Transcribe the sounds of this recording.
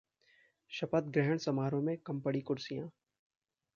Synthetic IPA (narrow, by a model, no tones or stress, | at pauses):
ʃɐpət̪̚ɡɾɛɦəɽ̃sɐmaːɾõmẽkɐ̃mpəɽikʊɾsijãː